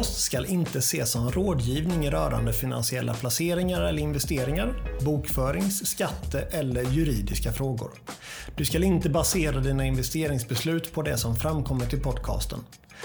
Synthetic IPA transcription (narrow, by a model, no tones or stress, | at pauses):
st̪skalʔɪnt̪əseːsɔmɛnɾoːd̪jiːvnɪŋɾœ̰ːɾa̰nd̪əfɪna̰nsɪɛlːa̰pʰlaseːɾɪŋaɾɛlːəɾɪnvɛst̪eːɾɪŋaɾbuːkfœːɾɪŋsːkat̪ʰːəʔɛlːəɾjɵɾiːd̪ɪskafɾoːɡʊ̰ɾd̪̥ɵskalɪnt̪əbaseːɾad̪iːnaɪnvɛst̪eːɾɪŋsbɛslʉ̟ːt̪pʰɔd̪ɛsɔmfɾamːkʰɔmːəʈʰɪlpʰɔd̪kʰɑ̰ːst̪ə̰n